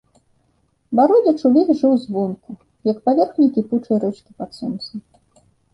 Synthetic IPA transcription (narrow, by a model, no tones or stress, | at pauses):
baɾɔdʲɐt͡ʂulʲiɣʐɨwzvɔnku | jɐkpavʲɛrxnʲikʲiput͡ʂɐjɾɛt͡ʂkʲipat̪sɔnt̪sɨ